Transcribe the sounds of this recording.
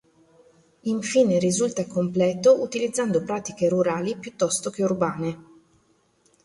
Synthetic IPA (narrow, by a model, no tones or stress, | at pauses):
iɱfiːneɾizult̪akomplɛːt̪oʔut̪ilid̪zːand̪opɾaːt̪ikeɾuɾaːlipjut̪ːɔst̪ok̟eurbaːne